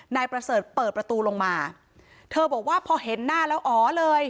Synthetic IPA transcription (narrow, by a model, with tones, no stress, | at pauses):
naː˧jpɾa˧sɤː˨˩t̪̚pɤː˨˩t̪̚pɾa˧t̪uː˧lo˧ŋmaː˧ | t̪ʰɤː˧bɔː˨˩k̚waː˥˩pʰɔː˧ɦe˩˦nːaː˥˩lɛː˦˥wʔɔː˩˦lɤː˧j